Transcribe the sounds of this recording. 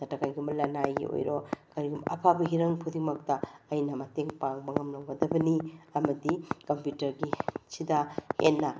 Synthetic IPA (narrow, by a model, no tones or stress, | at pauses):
tɐtɐkajɡumɐlɐnajɡḭo̰jɾokɐɾiɡumɐ̰pʰabɐɦiɾɐŋpʰudimɐk̚tɐɐjnɐmɐteŋpaŋbɐŋɐmlɐwɡɐdɐbɐniɐmɐdikɐmpjutɐɾɡisidahḛnːɐ